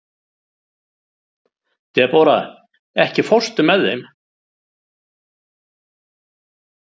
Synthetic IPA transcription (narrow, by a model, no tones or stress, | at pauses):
t̪ʰɛɛɾpaːɾa̰ | ɛhcɪfɔr̥st̪ʏmɛðːejm